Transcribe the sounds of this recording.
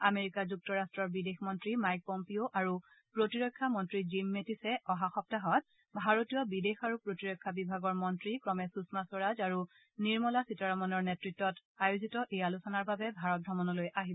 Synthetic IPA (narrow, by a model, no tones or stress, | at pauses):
ameɹikazuk̚tɔɹastɹɔɹbidexmɔntɹimajk̚pɔmpioʔaɹu | pɹotiɹɔjkʰːamɔntɹizimːetisɛɔɦaxɔp̚taɦɔt̚ | bʱaɹotijɔbidexaɹupɹotiɹɔjkʰːabibʱaɡɔɹmɔntɹikɹɔmɛsusmasɔɹazaɹu | niɹmɔlasitaɹamɔnɔɹnetɹitːɔtajuzitɔʔejalusɔnaɹbabɛbʱaɹɔt̚dɹɔmɔnɔlojʔaɦibɔ